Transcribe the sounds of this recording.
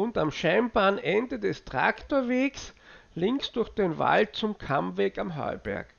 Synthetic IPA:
ʊntamʃaɪmbaːnʔɛndədɛstʁ̥a̰ktoːɐveːkslɪ̃ŋksd̥ʊɐxd̥enva̰lt̚t͡sʊmkʰamveːkamɦœ̰ʏbɛ̰ɐk

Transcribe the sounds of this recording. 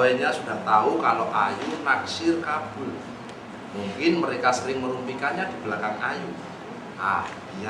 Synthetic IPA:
ɛnɲasudaht̪aukaloʔajunaksɪrkab̥ʊl | muŋkɪnməɾekasəɾɪŋməɾumpikanɲadibəlakanaju | ʔah | a

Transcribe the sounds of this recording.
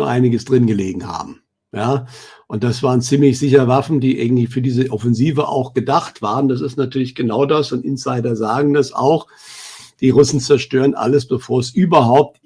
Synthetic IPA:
ɐʔa̰ɪnɪɡəsd̥ʁɪnɡəleːɡŋ̩ha̰ːbm̩ | jaːʔʊnt̚d̥asv̥aːʁənt͡siːmlɪçz̥ɪçɐəvafn̩diːʔa̰ɪɡŋ̩tlɪçfyːɐdiːzəʔɔfɛnziːvəʔa̰ʊxɡ̥ədaχtv̥aːʁəndas̬ɪstnatʰyːɐlɪçɡ̥ənaʊdasʊntʔɪnsaɪdɐzaːɡŋ̩dasa̰ʊx | d̥iːʁʊsn̩t͡sɛɐʃtøːʁənʔa̰ləsb̥əfoːɐsʔyːbɐɦaʊp̚t

